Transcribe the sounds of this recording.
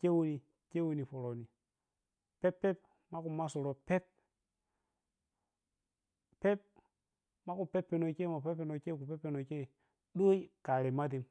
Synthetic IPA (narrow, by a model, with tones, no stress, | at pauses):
ke˦wu˦ni˨ | ke˦wu˨ni˨fo˨ɾo˨ni˨ | pe˦pːe˦p̚ | ma˦ku˨ma˦su˨ɾo˨pe˦p̚ | pe˦p̚ | ma˦ku˨pe˦pːe˨no˨ke˦˨mo˨pe˦pːe˨no˨˦ke˦˨ku˨pe˦pːe˨no˨ke˦˨ | ɗo˦i˦ka˨ɾe˨ma˦di˨m